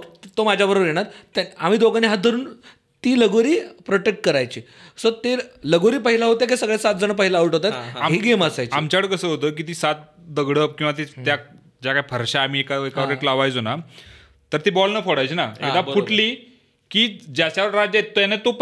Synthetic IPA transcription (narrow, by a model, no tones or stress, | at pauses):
t̪omad͡ʑʱjabəɾobəɾjeɽ̃at̪am̤iːd̪oɡaniɦat̪̚d̪ʱəɾuːn | t̪iːləɡoɾiːpɾoʈek̚ʈ̚kəɾajt͡ɕiː | sət̪eləɡoɾiːpəɦilaɦot̪akesəɡɭesat̪̚d͡zəɳ̃əp̬əɦilaaʋəʈɦot̪at̪aɦeɡemasajt͡ɕamt͡ɕaʋəɽkəsəːɦot̪ək̬it̪̬iːsat̪̚ | d̪əɡɽəpkĩw̃ʋat̪̬et̪ja | d͡ʑjakaifʰəɾɕaːm̤iːekaekaʋəɾeʈlaʋajd͡zona | t̪əɾt̪iːbɔlnəfoɽajt͡ɕinaḛkd̪auʈliː | kiːd͡ʑaɕaʋəɾad͡ʑaet̪̚ːojanet̪op